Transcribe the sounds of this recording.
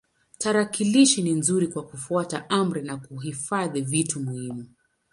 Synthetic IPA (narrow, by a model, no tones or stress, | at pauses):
taɾakiliʃininzuɾikwakufuataʔam̩ɾinakuɦifaðivitumuhimu